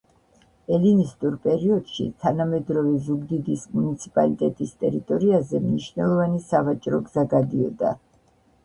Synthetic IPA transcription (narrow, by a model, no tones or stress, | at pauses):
ɛlinist̪ʼuɾpʼɛɾiɔd̪̥ʃḭt̪ʰanamɛd̪ɾɔvɛzuɡd̪id̪ismunit̪sʰi̥pʼalit̪ʼɛt̪ʼist̪ʼɛɾit̪ʼɔɾiazɛmniʃnɛlˠɔvanisavat͡ʃʼɾɔɡzaɡad̪iɔ̰d̪a̰